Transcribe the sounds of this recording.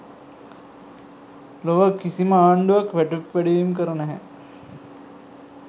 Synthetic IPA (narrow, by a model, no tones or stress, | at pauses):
loʋəkisiməaːɳɖuʋakʋæʈupʋæɖiʋimk̬əɾənɛɦɛ̰